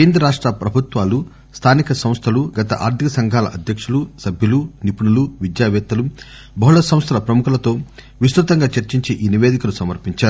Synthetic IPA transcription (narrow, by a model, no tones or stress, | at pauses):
keːnd̪ɾɐɾaːʂʈɾɐpɾɐbʱut̪ʋaːlu | st̪ʰaːnikɐsɐ̃mst̪ʰɐluɡɐt̪ɐ̰ʔa̰ːɾt̪ʰikɐsɐŋɡʱaːlɐ̰ʔɐd̪ʱjɐkʂulusɐbʱjɐlunipuɳuluʋid̪jaːʋɛːt̪ːɐlu | bɐɦuɭɐsɐ̃m̃st̪ʰɐlɐpɾɐmukʰulɐt̪o̞ː | ʋist̪ɾut̪ɐŋɡaːt͡ʃɐɾt͡ʃiɲt͡ʃeːʔiːniʋeːd̪ikɐlusɐmɐɾpiɲt͡ʃaːɾu